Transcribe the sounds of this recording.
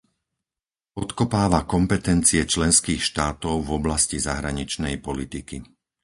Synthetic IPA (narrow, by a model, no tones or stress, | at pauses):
ɔt̪kɔpaːʋakɔmpɛt̪ɛnt͡siɛt͡ʃlɛnskiːxʃt̪aːt̪ɔʊvɔblascizaɦɾaɲit͡ʃnɛjpɔlit̪iki